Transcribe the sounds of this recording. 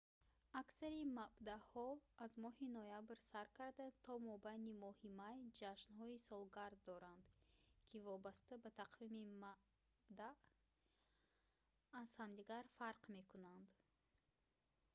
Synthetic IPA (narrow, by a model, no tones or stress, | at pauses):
aksaɾimabd̪ahɔazmɔhinɔjabɾsaɾkʰaɾd̪at̪ʰɔmɔbajnimɔhimajd͡ʒaʃnhɔisɔlˠɡaɾd̪ːɔɾand̪kʰivɔbast̪abat̪ʰaqʰvimima | bd̪aʔ | z̥hamd̪iɡaɾfaɾqme̞kunand̪